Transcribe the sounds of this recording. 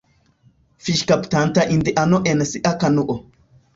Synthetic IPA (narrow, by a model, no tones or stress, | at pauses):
fɪʃkɐpt̪aːnt̪ɐʔɪnd̪ɛʔɐnɔʔɛnɐsɪʔɐkɐnʊʔɔ